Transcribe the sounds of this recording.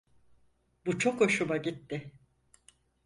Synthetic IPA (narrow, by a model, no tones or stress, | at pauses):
but͡ʃʰoko̞ʃumaɟit̪ːɪ